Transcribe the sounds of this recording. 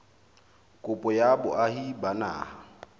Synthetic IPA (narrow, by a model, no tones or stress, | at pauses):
kʼʊpʼɔjabʊʔaɦibana̰ːha